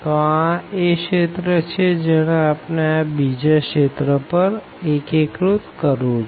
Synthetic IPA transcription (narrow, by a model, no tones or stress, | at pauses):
t̪oãeʃet̪ɾət͡ʃʰed͡ʒəɽ̃ãːpnabid͡ʒaʃet̪ɾəpəɾ | ekekɾut̪kəɾũd͡ʒ